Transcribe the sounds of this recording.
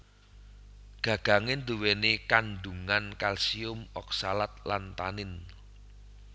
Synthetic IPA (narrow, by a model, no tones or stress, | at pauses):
ɡ̥ä̤ɡ̥ä̤ŋɪnd̪̥uwenekanɖuŋankalsiʊmɔk̚salat̪̚lant̪anɪn